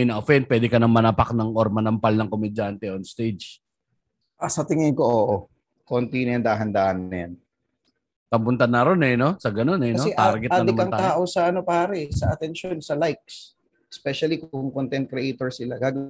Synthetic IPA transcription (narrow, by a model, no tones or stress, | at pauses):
jnɐʔofɛn̚pwɛːd̪ɪkɐnɐŋmɐnapak̚nɐŋʔoɾmɐnɐmpɐlnɐŋkomɛd͡ʒant̪ɛonst̪ejd͡ʒ | ʔɐsɐt̪ɪŋɪŋko̞ʔoːʔo | kont̪inɐjɐnd̪aːɦɐnd̪aːʔɐnɐjan | p̪ɐmbʊnt̪ɐnːɐɾo̞nɛno̞sɐɡɐno̞nɛɐoɛt̪aɾɡɛtaːnɪmkɐŋaːʔosɐaʔɐno̞paːɾɛsɐʔɐt̪ɛnʃo̞nsɐlajk̚s | ʔɛspɛʃɐlikʊŋkont̪ɛnt̪̚kɾɛʔejt̪oɹsɪlaɡaːɡ